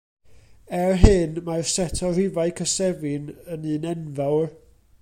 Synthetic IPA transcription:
ɛrɦɨnmarsɛtʰɔrɪvaɨkʰəsɛvɪnənɨːnɛnvɛwr

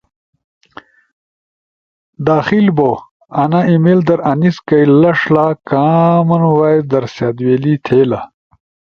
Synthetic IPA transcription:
d̪aːxilbo | ɐnaimeld̪ɐɾɐniskɐjlɐʂlaːkaːmɐnwaːjd̪ɐɾsjaːd̪weːlit̪ʰeːla

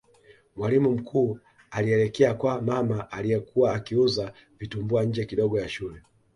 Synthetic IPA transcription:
mwalimum̩kʰuː | aliɛlɛkɛakwamamaʔalijɛkuwaːkiuza | vitumbuaɲ̩d͡ʒɛkiɗɔɡɔjaʃulɛ

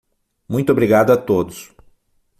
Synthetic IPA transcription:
mũj̃t̪ʊobɾiɡad̪ʊɐt̪od̪ʊs

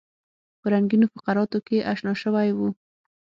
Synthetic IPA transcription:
pəɾaŋɡinofḁqaɾɑt̪okeʔaʃnɑʃəwajwu

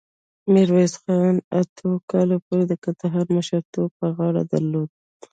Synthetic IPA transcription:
mɪɾwezxɑnat̪ʰokɑlopoɾed̪əkand̪aɦɑɾməʃəɾt̪ob̚pəɣɑɽa̰d̪a̰ɾlod̪̚

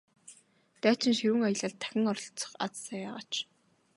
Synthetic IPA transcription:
t̪æːt͡ɕɪ̆nʃiɾɘ̆ŋajə̆ɮə̆ɮt̪ʰːæ̥xʲɪ̆ŋɔrɮt͡sɞ̥̆χa̰t͡ssaːjaːʁa̰ːt͡ɕ

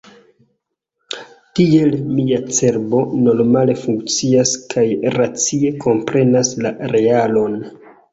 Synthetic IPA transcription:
tie̞lmiat͡se̞ɾbo̞no̞ɾmale̞fuŋkt͡siaskʰajɾat͡sie̞kʰo̞mpɾe̞naslaɾe̞alo̞n

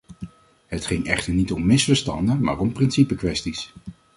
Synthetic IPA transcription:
ɦətχɪŋɛχtəɹnitɔmːɪsfəɹstɑ̰ndənma̰ːɹɔmprɪnsipəkʋɛstis

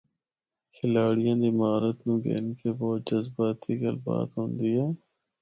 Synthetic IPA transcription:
kʰɪlaːɽijãːd̪imaːɾət̪nũːɡḛːnkebɔːt̪̚d͡ʒɐzbaːt̪iɡɐlba̰ːt̪ɦõːnd̪ɪjaː

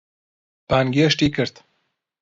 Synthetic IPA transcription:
b̥aːnɡeeʃt̪iːkʰɨɾt̪

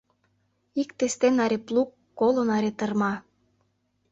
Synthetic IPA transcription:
ikt̪est̪enɑɾʲeplukːolə̆nɑɾet̪ərmɑ

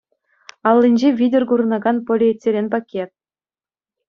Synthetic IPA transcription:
ɑlˠːinʲd͡ʑeʋʲidʲerɡuɾɤ̆nɑɡɑnpŏlʲeetʲːeɾʲenʲpɑkʲʰːet̪̚

